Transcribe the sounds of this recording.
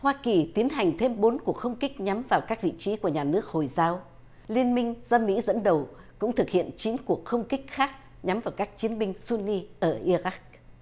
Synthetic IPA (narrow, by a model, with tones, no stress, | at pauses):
hwaː˧ki˨˩t̪i˨˦ənɦa˨˩jŋ̟t̪ʰe˧mɓo˨˦nku˨˩ək̚xə˧wŋ͡mkï˦˥k̟̚ɲa˨˦mvaː˨˩wkaː˦˥k̚vḭ˧˨t͡ɕi˨˦ku˧˩əɲaː˨˩nɨ˦˥ək̚ho˨˩jzaː˨˦w | li˧ənmï˧ŋ̟zɔ˧mḭ˧˥zə̰˧˥nɗə˨˩w | kʊ̰˧˥ŋ͡mt̪ʰɨ˨˩k̚hḭ˧˨ənt͡ɕi˨˦ənku˨˩ək̚xə˧wŋ͡mkï˦˥k̟̚xaː˦˥k̚ | ɲa˨˦mvaː˨˩wkaː˦˥k̚t͡ɕi˨˦nɓï˧ŋ̟su˧ni˧ʔəː˧˩ʔi˧ɾa˦˥k̚